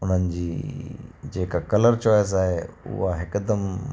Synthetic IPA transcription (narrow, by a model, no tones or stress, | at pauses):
ʊn̤ənɪ̆d͡ʑiː | d͡ʑeːkakɐləɾt͡ɕɔːjəs̬aːɦeʊ̰ɦaɦɪkd̪əm